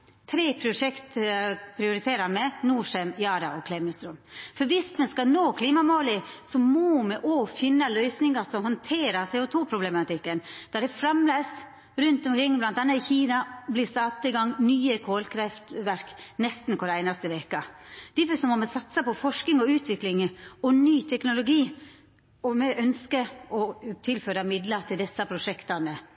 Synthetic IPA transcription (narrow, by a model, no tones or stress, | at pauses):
t̪ʰɾeːpʰɾʊʊʂɛkt̪pʰɾɪʊɾɪt̪ʰeːɾɑɾmɛnuːʂɛmjɑːɾɑʔɔkʰlɛmɪlst̪ɾɔmfɔɾʋɪsmɛskɑnoːkʰliːmɑmoːlɪsɔmɔmɛʔofɪnːɑlœʏsnɪŋɑsɔmhɔnt̪ʰeːɾɑɾsɛːʊt̪ʰuːpʰɾʊblɛmɑt̪ɪkːənd̪̥æɖ̪ɛfɾɑmleːs | ɾʉnt̪ɔmkʰɾɪŋːblɑnt̪̚d̪ɛnəɪçiːnɑbliːst̪ɑːt̪ɑɪɡɑŋːnyːəkʰoːlkʰɾɛft̪ʋæɾknɛst̪n̩kɔɾæɪnɑst̪əʋeːkəd̪̥ɪfsɔmɔmɛsɑt̪səpɔfɔʂknɪŋɔʉːt̪ʰʋɪklɪŋɔnyːt̪ʰɛknʊlʊɡiː | ɔmɛʔœnskəɔt̪ʰɪlføːɾəmɪd̪ləɾt̪ʰɪld̪ɛsːɑpʰɾʊʂɛkt̪ɑnə